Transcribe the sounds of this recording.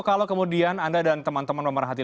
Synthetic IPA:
kalokəmudianandadant̪əmant̪əmanpəməɾaɦat̪i

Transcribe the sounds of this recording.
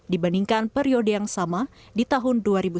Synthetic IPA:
dibandiŋkanpɛɾiodəjaŋsama | dit̪aɦʊnduaɾibu

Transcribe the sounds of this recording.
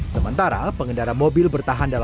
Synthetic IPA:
səmənt̪aɾa̰pəŋəndaɾamobɪlbərt̪aɦandal

